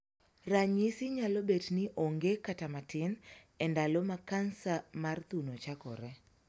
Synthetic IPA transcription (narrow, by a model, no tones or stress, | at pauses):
raɲisɪɲalobetnɪʔoŋɡekatamatɪn | ɛndalɔmakansamart̪unot͡ʃakɔ̰ɾɛ